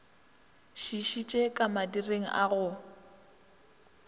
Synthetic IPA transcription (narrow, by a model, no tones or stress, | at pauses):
ʃiʃit͡ʃʼekʼamadireŋ̩ʔa̰ɣʊ